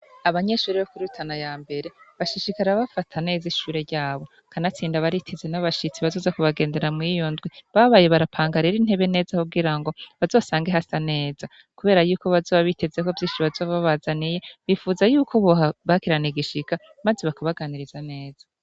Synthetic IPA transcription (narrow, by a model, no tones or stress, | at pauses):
aβaɲe̞ʃuːɾeβokuɾutʰanajaːmbe̞ɾe̞βaʃiʃikaɾaβafatʰane̞ːziʃuːɾe̞ɾɟaːβo̞ | kʰanat͡siːndaβaɾitʰizenaβaʃit͡siβazoːzakuβaɡe̞ːnde̞ɾamŋijo̞ndɡwiβaβaje̞βaɾapʰaːŋɡaɾiɾin̥he̞βe̞ne̞ːzahuɡiɾaŋɡo̞βazo̞ːsaːŋɡeɦasane̞ːza | kuβe̞ːɾajuːkoβazo̞ːβaβite̞veko̞vjiːnʃiβazoːβaβazanije̞βifuːzajuːkʰoβohaβakiɾaneɡiʃika | mazeβakaβaɡaniɾizane̞ːz̥a